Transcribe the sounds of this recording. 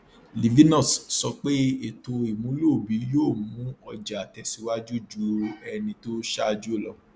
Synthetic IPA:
li˨vi˦nɔ̃˦˨ssɔ˧k͡pe˦e˨to˧i˨mũ˨˦lo˦˨bi˨˦jo˦˨mũ˨˦ɔ˧d͡ʒa˨a˨tɛ˨si˨˧˦wa˦d͡ʒu˦˨d͡ʒu˦ɛ˧nĩ˧to˦ʃa˦˧d͡ʒu˦o˦˨lɔ˨˦

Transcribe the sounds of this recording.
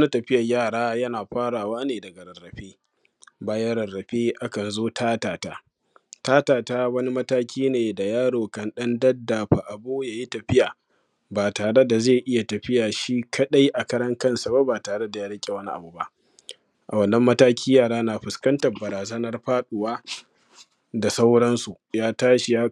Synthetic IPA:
wɐ˦na˦tɐ˨ɸɪ˦jɐ˨jaː˦˨ɽaː˦jɐ˦naː˨ɸaː˦ɽaː˨waː˦neː˨dɐ˨ɡa˨ɾɐ˨rːɐ˨ɸeː˦ | baː˦ja˦ɾɐ˨rːɐ˨ɸeː˦ʔa˦kɐ˨nzoː˦tʰaː˦taː˨taː˦ | taː˦taː˨taː˦wɐ˦ni˦mɐ˦taː˦kʲʰiː˦neː˨da˨jaː˦ɽoː˨kɐ˨nɗɐ˦ndɐ˦dːa˨ɸa˨ʔa˨boː˦ja˨ji˦tɐ˨ɸɪ˦jaː˨ | baː˨taː˨ɽe˦da˨ze˦˨ʔɪ˦ja˨tɐ˨ɸɪ˦jaː˨ʃi˦kʰɐ˦ɗa˦jʔa˨kɐ˦ɾɐ˦ŋkɐ˦nsa˨ba˦baː˨taː˨ɽe˦da˨jaː˦ɽɐ˦kʲʼe˨wɐ˦ni˦ʔa̰˨bu˨ba˦ʔ | ʔa̰˨wɐ˨nːɐ˦mːɐ˦taː˦kʲʰiː˦jaː˦˨ɽaː˦naː˨ɸʊ˨skɐ˦ntɐ˨rbɐ˨ɾaː˨zɐ˦nɐ˦rɸaː˦ɗʊ˨waː˦ | da˨sa˦wɽɐ˦nsu˨ | jaː˦taː˦ʃi˨jaː˦

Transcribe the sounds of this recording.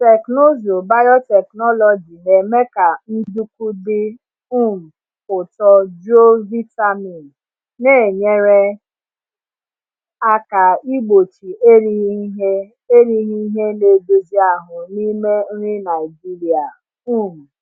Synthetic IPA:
te˨kno˦zo˨ba˦jɔ˦tɛ˨knɔ˦lɔ˨d͡ʒi˨ne˨me˦ka˨n̩˦du˦ku˦dɪ˦ | u˦m̩˨ | ʊ˨tɔ˦d͡ʒo˦vi˦ta˦mi˨n | ne˦˨ɲe˦ɾe˦ | a˦ka˨i˦ɡ͡bo˨t͡ʃi˨ʔe˦ɾi˦ɦe˦ | e˦ɾi˦ɦi˦ɦe˦ne˨do˦zi˦a˨ɦʊ˨ni˦me˦n̩˦ɾi˦na˨ɪ˨d͡ʒi˦ɾi˨a˨ | u˦˨m̩˨

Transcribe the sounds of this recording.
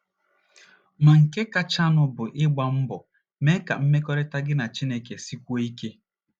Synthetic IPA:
ma˨ŋ̩˨ke˦ka˨t͡ʃa˦nʊ˨bʊ˨ʔɪ˦ɡ͡ba˨m̩˦bɔ˨ | me˦ka̰˨m̩˦me˦kɔ˦ɾɪ˦ta˦ɡɪ˦na˨t͡ʃi˦ne˨ke˨si˦kʷu˦o˦i˦ke˦

